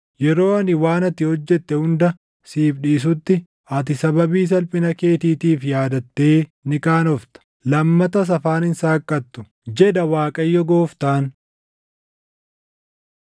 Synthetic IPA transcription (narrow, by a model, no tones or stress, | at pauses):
jɛɾo̞ːɐnɪwaːnɐt̪ɪhɔd͡ʒːɛt̪ːɛhʊnd̪ɐ | siːbɗiːs̬ʊt̪ːɪ | ɐt̪ɪsɐbɐbiːs̬ɐlpʼɪnɐke̞ːt̪iːt̪iːfjaːd̪ɐt̪ːe̞ːnɪkaːnɔft̪ɐ̥ | lɐmːɐt̪ɐs̬ɐfaːnɪnsaːkʼːɐt̪ːʊ | d͡ʒɛd̪ɐwaːkʼɐjːɔɡo̞ːft̪aːn